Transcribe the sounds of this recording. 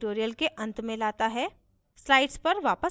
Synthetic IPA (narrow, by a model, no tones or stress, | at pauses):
ʈoːɾijəlkeʔɐ̃nt̪mẽlaːt̪aɦɛ | slaːɪɖspɐɾʋaːpə